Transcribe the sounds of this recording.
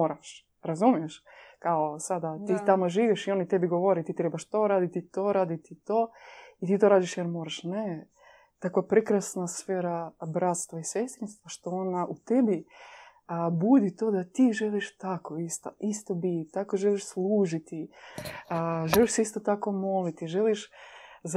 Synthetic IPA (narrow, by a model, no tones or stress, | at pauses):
moːɾaʃ | ɾazumijeʃkaosad̪at̪it̪amoʒiːʋiʃio̞nit̪ebiɡoʋoɾet̪iːt̪ɾebaʃt̪o̞ɾaːd̪it̪it̪o̞ɾaːd̪it̪it̪oːit̪iːt̪oɾaːd̪iʃjeɾmo̞ːɾaʃne | t̪akʋapɾekɾasnasfeːɾabɾat̪st̪ʋaisest̪ɾinst̪ʋaʃt̪oonaʔut̪ebi | əbud̪it̪o̞ːd̪at̪iːʒeliʃt̪akoist̪aʔist̪obit̪akoʒeliʃslˠuːʒit̪i | ʒeliʃsɛist̪ot̪ako̞molit̪iʒeliʃz